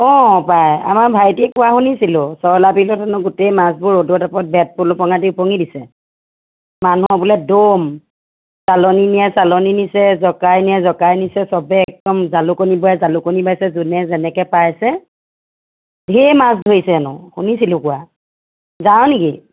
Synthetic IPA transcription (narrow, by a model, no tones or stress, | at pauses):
ɔ̃paja̰maɹbʱajtiɛkʊwaxunisilʊsɔɹlapilɔtʰanʊɡʊtejmas̬bʊɹodɔtapɔt̚bɛt̚pʊlʊpɔŋadiʊpɔŋidisɛ | manuɔbulɛdom | salɔninijɛsalɔninisɛzɔkajnijɛzɔkajnisɛsɔbɛːk̚dɔmzalʊkonibɔjazalʊkonibajsɛzunɛzɛnɛkɛpajsɛ | bʱemas̬dʱojsɛanʊ̰hunisilʊkʊwa | zaw̃niki